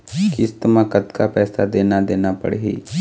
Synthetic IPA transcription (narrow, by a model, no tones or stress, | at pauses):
kɪst̪maːkət̪kapɛːsad̪eːnad̪eːnapə̰ɽɦḭː